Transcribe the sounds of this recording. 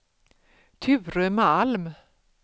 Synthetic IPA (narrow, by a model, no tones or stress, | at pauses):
t̪ʰʏːɾəmɛalm